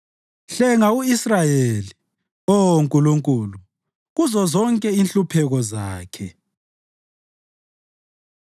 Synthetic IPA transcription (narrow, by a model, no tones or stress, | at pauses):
ɬɛŋauisrajeli | oŋkʼuluŋkʼuːlu | ɣuzɔzɔŋkʼɛinɬupʰɛɣɔzaːkʰɛ